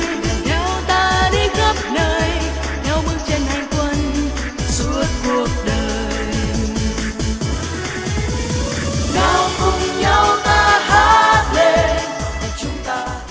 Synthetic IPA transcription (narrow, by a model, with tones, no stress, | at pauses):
ɲa˨˧˦wt̪aː˧ɗi˧ɣə˦˥p̚nəː˧j | ɲa˧˦wmɨ˧˥ŋt͡ɕe˧nha˧˩jkwə˧n | su˦˥ət̚ku˨˩ək̚ɗəː˨˩ | j | ka˨˧˦wkʊ˧ŋ͡mɲa˧˦wt̪aː˧ha˦˥t̚le˧ | a˨˩t͡ɕʊ˨˦ŋ͡mt̪aː˧